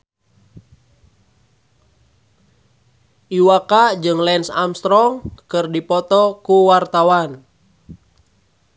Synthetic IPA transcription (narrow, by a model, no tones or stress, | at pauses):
ʔiwakad͡ʒɨŋlɛnsa̰mst̪ɾɔŋkɨrdipɔt̪ɔkuwart̪awan